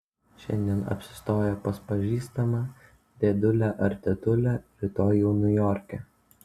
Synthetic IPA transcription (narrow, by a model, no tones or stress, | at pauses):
ʃʲɛ̰nʲd̪ʲiɛnɐ̰pʲsʲɪ̥st̪oːjɛpɐspɐʒʲiːst̪ɐmɑ | d̪ʲeːd̪ʊlʲæʔɐɾʲt̪ʲɛt̪ʊlʲæːpʲɾʲɪt̪oːjɛʊnʲʊjɔːɾʲkʲɛ